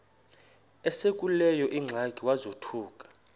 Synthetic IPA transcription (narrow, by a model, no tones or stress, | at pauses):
ɛsekʼulɛjɔʔiŋ͡ǀʱaɡʱʼiwazotʰuːkʼḁ